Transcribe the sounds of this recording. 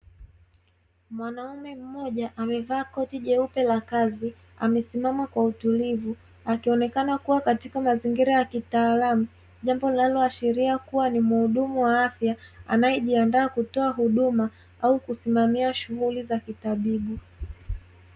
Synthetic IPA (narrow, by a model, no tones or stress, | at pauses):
mwanaumɛm̩mɔʄaʔamɛvaːkɔtiʄɛupɛlakazi | a̰mɛsimamakwautulivu | akiɔnɛkanakuwakatikamaziŋɡiɾajakitaːlamu | ʄambɔlalɔaʃɛɾiakuwanimuhuɗumuwaafjaa̰najɛʄiandaːkutɔaɦuɗuma | aukusimamiaʃuɣulizakitaɓiɓu